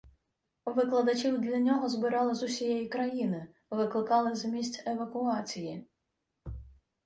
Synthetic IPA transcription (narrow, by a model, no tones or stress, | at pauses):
ʋɪklˠɐd̪ɐt͡ʃʲiwd̪lʲɐnʲɔɦɔzbɪɾɑlˠɪzʊsʲijɛjikɾɐjinɪ | ʋɪklˠɪkɑlˠɪzmʲisʲtʲeʋɐkʊɑt͡sʲiji